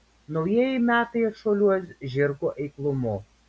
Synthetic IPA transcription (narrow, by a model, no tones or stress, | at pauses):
nɔʊjiɛjɛmʲæːt̪ɐɪɐt̪ʃoːlʲuɔsʲʒʲɪɾkoʔɛɪklˠʊmʊ